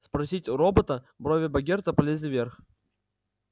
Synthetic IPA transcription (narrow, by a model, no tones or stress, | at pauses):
spɾɐsʲitʲɾobət̪ə | bɾovʲɪbɐɡʲert̪əpɐlʲezʲlʲɪvʲerx